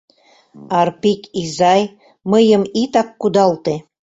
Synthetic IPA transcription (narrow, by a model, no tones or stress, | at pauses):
ɑrpikizɑj | məjəmit̪ɑkːud̪ɑlt̪e